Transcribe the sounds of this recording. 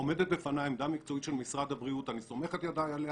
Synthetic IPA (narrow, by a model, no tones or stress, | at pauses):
ome̞d̪et̚be̞fanajmd̪amikt͡so̞it̪ʃe̞lmisʁad̪abʁiut̪aniso̞me̞χet̪jad̪ajale